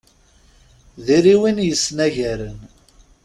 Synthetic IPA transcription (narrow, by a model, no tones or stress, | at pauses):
ðiɾiwinjəsnæʝæɾən